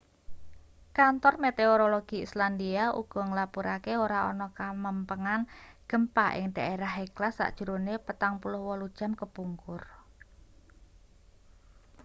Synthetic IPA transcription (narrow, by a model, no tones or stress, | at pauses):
kant̪ɔrmet̪eoɾoloɡ̥iisland̪iaʔṵɡ̥ɔ̤ŋlapuɾʔakeoɾaɔ̰nɔkaməmpəŋanɡ̥ə̤mpaʔɪ̰ŋd̥aʔeɾaheklasːa̰ʔd̥ʒ̥ṳɾonepət̪aŋpulʊhwɔlud̥ʒ̥a̤mkəpuŋkʊr